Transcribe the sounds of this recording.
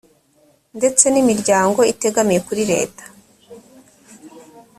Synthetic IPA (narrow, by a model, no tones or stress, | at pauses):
nde̞t͡se̞nimiɾɟaːŋɡo̞ite̞ɡamijekuɾiɾe̞̰ːtḁ